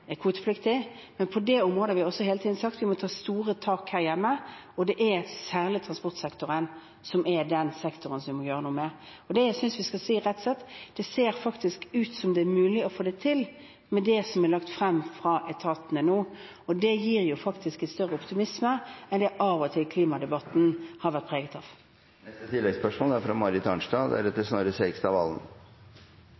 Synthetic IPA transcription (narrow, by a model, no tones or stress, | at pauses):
ɛkʰʋuːt̪ə̥flɪkt̪ɪ | mɛnpʰɔd̪ɛɔmʁoːd̪əhɑʋɪɔsɔheːlət̪iːd̪n̩sɑkt̪ʋɪmɔt̪ʰɑːst̪uːʁət̪ʰɑːkhæːʁjɛmːə | ɔd̪ɛʔæsæːʁlɪt̪ʰɾɑnspɔʁt̪sɛkt̪ʊʁən | sɔmɛd̪ɛnsɛkt̪ʊʁənsɔmʋɪmɔjøːʁənuːmɛ | ɔd̪ɛjæɪsʏnsʋɪskɑlsiːɾɛt̪ːsɛt̪ːd̪̥ɛseːɾfɑkt̪ɪskʉːt̪sɔmd̪ɛæmʉːlɪɔfoːd̪æɪt̪ʰɪl | mɛd̪ɛsɔmɛlɑkt̪fʁɛmːfɾɑʔɛt̪ʰɑt̪n̩ənuː | ɔd̪ɛjiːɾjʊfɑkt̪ʰɪskæst̪œʁəʊpt̪ɪmɪsməɛnd̪ɛʔɑʋɔt̪ʰɪlkʰliːmɑd̪ɛbɑt̪n̩hɑɾʋæʁt̪̚pʰʁeːɡət̪ɑʋ | nɛst̪ət̪ʰɪlːɛɡspœʂmoːlɑɾfɾɑmɑɾɪt̪ʰɑnʂtɑːd̪æ̰ɾɛt̪ːəsnoːɾəsɛɪɡst̪ɑʋɑ̰ln̩